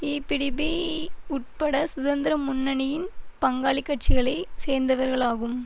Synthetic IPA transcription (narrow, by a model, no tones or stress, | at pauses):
iːpɪɽɪbiʊʈ̚pɐɽɐsʊðɐnd̪ɪɾɐmʊnːɐnɪjɪnpɐŋɡaːɭɪkːɐʈ̚t͡ʃɪɣɐɭɐɪseːɾnd̪ɐʋɐɾɣɐɭaːɣɯm